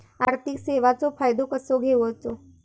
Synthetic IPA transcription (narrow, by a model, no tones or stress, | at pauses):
aɾt̪ʰikseʋat͡sofajd̪okəsoɡʱeʋot͡so